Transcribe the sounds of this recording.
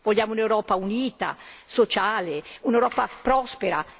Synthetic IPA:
voʎːaːmounewɾɔːpauniːt̪a̰sot͡ʃaːleunewɾɔːpapɾɔspeɾa̰

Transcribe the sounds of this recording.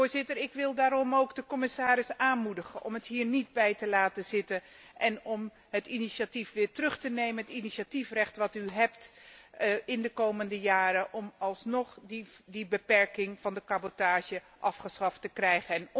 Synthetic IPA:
oːzɪtərɪkʋɪlˠdaːɾɔmowɡdəkɔmɪsaːɾɪsaːnmudəχənʔɔ̰mətɦiːɹnid̚bɛjtəlaːtəzɪtə | ʔɛnɔm | ɦətiniʃatifʋɪːɹtrɵχtənejmənɦətiniʃatifrɛχtʋɑtyɦɛp̚t | ɪndəkowməndəjaːɾəʔɔmɑlˠsnɔχddibəpɛɹkɪŋv̥ɑndəkabotaːʒə | ʔɑfχəsχɑftəkrɛjχəɛn

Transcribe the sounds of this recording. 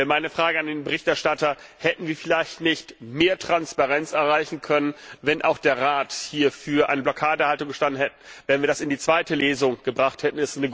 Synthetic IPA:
maɪnəfʁ̥aːɡəandeːnbəʁɪçtɛɐʃtatɐ | hɛtn̩viːɐfɪlaɪçtnɪçtmeːɐtʁ̥anspaʁɛnt͡sɛɐʁaɪçn̩kʰœnənvɛnʔa̰ʊxd̥eːɐʁaːthiːɐfyːɐʔa̰ɪnəblɔkʰaːdəhaltʊŋɡəʃtandn̩hɛtn̩vɛːɐnviːɐdasɪndiːt͡sv̥aɪtəleːzʊŋɡ̥əbʁaχthɛtn̩ɪstnəɡ

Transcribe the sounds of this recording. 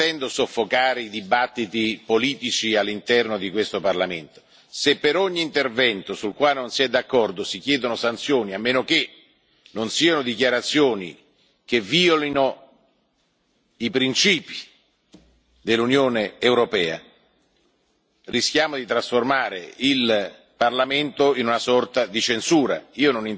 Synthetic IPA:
ɛnd̪osofːokaːɾeid̪ibat̪ːit̪ipoliːt̪it͡ʃialːint̪ɛrnod̪ikwest̪oparlament̪o̥ | sepːeɾoɲːiːnt̪ervɛnt̪osulkwaːlenonsiɛd̪ːakːɔrd̪osik̟jɛːd̪onosant̪sjoːniamːeːnok̟e | nonsiːanod̪ikjaɾat̪sːjoːnḭ | keviːolino | ipɾint͡ʃiːpi̥ | d̪elːunjoːneːwɾopɛːa̰ | riskjaːmod̪it̪ɾasformaːɾḛil | parlament̪oinunasɔrt̪ad̪it͡ʃensuːɾa̰iːononin

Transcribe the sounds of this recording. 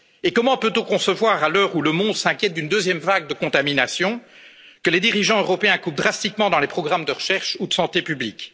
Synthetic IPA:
ekɔmɑ̃pøt̪ɔ̃kɔ̃səvwaːʁalœːʁuləmɔ̃d̪sɛ̃kʲjɛt̪̚d̪ynd̪øzjɛmvaɡ̚d̪əkɔ̃t̪aminasjɔ̃ | kəled̪iʁiʒɑ̃øʁɔpeɛ̃kup̚d̪ʁast̪ikmɑ̃d̪ɑ̃lepχɔɡʁamd̪əʁəʃɛʁʃud̪əsɑ̃t̪epyblik

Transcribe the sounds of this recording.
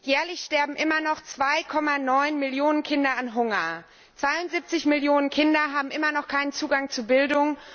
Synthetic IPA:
jɛːɐlɪçʃtɛɐbm̩ʔɪmɐnɔχt͡sv̥aɪkʰɔmanɔʏnmɪljoːnənkʰɪndɐanɦʊŋɐ | t͡sv̥aɪʊntz̥ip̚t͡sɪçmɪljoːnənkʰɪndɐɦaːbm̩ʔɪmɐnɔχkʰaɪnənt͡suːɡaŋt͡suːbɪldʊŋ

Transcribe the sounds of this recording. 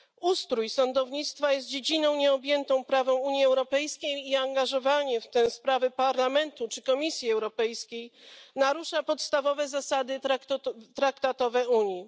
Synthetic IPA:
ust̪ɾujsɔnd̪ɔvɲit̪st̪fajɛs̬t̪̚d͡ʑed͡ʑinɔ̃w̃ɲɛɔbʲjɛnt̪ɔ̃w̃pɾavɔ̃w̃uɲjiɛwɾɔpɛjskʲejiaŋɡaʐɔvaɲɛft̪ɛspɾavɛpaɾlamɛnt̪ut͡ʂɘkɔmʲisʲjiɛwɾɔpɛjskʲejnaɾuʂapɔt̪st̪avɔvɛzasad̪ɘ | t̪ɾakt̪at̪ɔvɛuɲji

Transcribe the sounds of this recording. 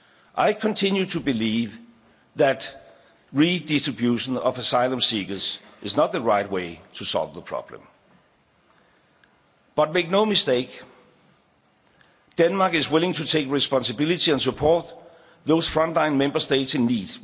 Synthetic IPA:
ʔaɪkʰə̃ntʰɪ̃njutʰubɪliːv | ðæd | ɹidɪstɹ̥ɨbjuʃə̃nʌvəsaɪlə̃msiɡə˞sʔɪznət̪̚ðəɹaɪtweɪtʰusɒ̰lˠvðəpʰɹ̥ɑ̰b̥lə̰̃m | b̥ʌt̚meɪk̚noʊmɪsteɪk | d̥ɛ̃nmɑːkɪzwɪlˠɪ̃ŋtʰutʰeɪkɹispɑ̃nsəbɪlitiæ̃nsupʰɔt̚ | ðoʊsfɹʌ̃nd̥lãɪ̃nmẽmbəsteɪtsɪ̃nːiːd̥

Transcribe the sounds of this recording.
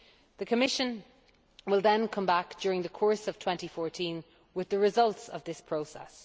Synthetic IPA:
ðəkʰəmɪʃə̃n | wɪlˠðə̃nkʰʌ̃mbak̚d̥jɔːɹɪ̃ŋðəkʰɔɹsəv̥tʰw̥ɛ̃ntifɔɹtʰĩn | wɪðəɹɪzʌlˠtsə̰vðɪspʰɹ̥oʊsɛ̰s

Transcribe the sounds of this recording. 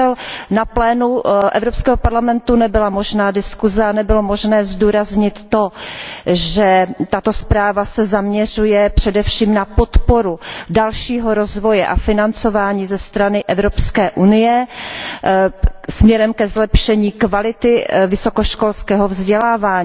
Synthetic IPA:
ɛlnaplɛːnuʔɛ̰vɾopskɛːɦopaɾlamɛnt̪unɛbɪlamo̞ʒnaːdɪskuzɛanɛbɪlomo̞ʒnɛːzduːɾazɲɪt̪ːo̞ | ʒɛt̪at̪o̞spɾaːvasɛzamɲɛr̝ujɛpr̝̥ɛdɛfʃiːmnapot̪po̞ɾudalʃiːɦoɾozvo̞jɛʔa̰fɪnant͡so̞vaːɲiːzɛst̪ɾanɪʔɛvɾopskɛːʔunɪjɛ | smɲɛɾɛmkɛzlɛpʃɛɲiːkvalɪt̪ɪvɪso̞koʃkolskɛːɦovzɟɛlaːvaːɲ

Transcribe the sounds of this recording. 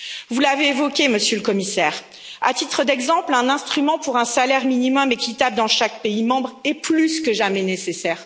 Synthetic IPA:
vulaveːvɔkʲeməsjøləkɔmisɛːʁ | a̰t̪it̪χəd̪ɛɡzɑ̃plɛ̃nɛ̃st̪χymɑ̃puʁɛ̃salɛʁminimɔmekʲit̪ap̚d̪ɑ̃ʃak̚peimɑ̃bʁɛplyskəʒamɛnesesɛːʁ

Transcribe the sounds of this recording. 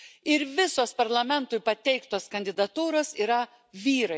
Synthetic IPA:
ɪɾʋʲɪsoːspɐɾlˠɐmʲɛnt̪ʊɪpɐt̪ʲɛɪkt̪oːskɐnʲd̪ʲɪd̪ɐt̪uːɾoːsiːɾɐ | ʋʲiːɾɐɪ

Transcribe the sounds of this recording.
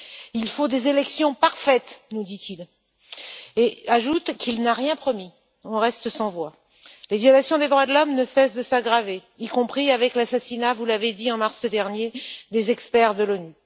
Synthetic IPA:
ilfod̪ezelɛksjɔ̃paʁfɛt̪nud̪it̪il | eaʒut̪kʰilnaʁjɛ̃pχɔmi | ɔ̃ʁɛst̪sɑ̃vwa | levjɔlasjɔ̃d̪ed̪ʁwad̪əlɔmnəsɛsd̪əsaɡʁave | ikɔ̃pχiavɛklasasinavulaved̪iɑ̃maʁsəd̪ɛʁnjed̪ezɛkspɛʁd̪əlɔny

